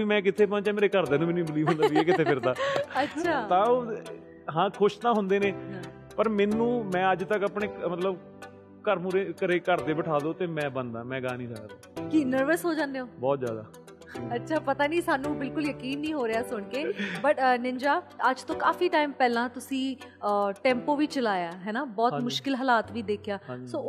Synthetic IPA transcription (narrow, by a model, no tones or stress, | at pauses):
iːmɛ̃ːk̬ɪt̪ʰeːpãːt͡ʃɛ̃ːmeːɾeːkəɾd̪eːnũːmɛːnːuiːbəliːbɦʊnd̪ːʋiːɛːkɪt̪ʰeːɪɾd̪aːətːʃʃʰaːt̪ãːoː | ɦãːkʰʊʃt̪ãːɦʊnd̪eːneː | pəɾmɛːnũːmɛ̃ːəd͡ʒt̪əkəpɳeːmət̪ləb | kəɾmuɾeːkəɾeːkəɾd̪eːbəʈʰaːd̪oːt̪eːmɛ̃ːbənd̪a̰ːmɛ̃ːɡaːnĩːla̰ːj̰ːd̪aːkiːnəɾʋəsɦoːd͡ʒãːnd̪eoːbɔːt̪zja̰ːd̪a̰ː | ətːʃʰaːpət̪aːniːsaːnũːbɪlkʊljəkiːnːĩːɦoːɾeaːsʊɳkeːbəʈnɪɲd͡ʒaːəd͡ʒt̪õːkaːfiːʈaːimpɛːlãːt̪ʊsĩː | ʈɛ̃ːmpoːʋiːt͡ʃəlaːjaːɦɛːnaːbɔːt̪mʊʃkɪlɦəlaːt̪ʋiːd̪eːkʰjaːsoː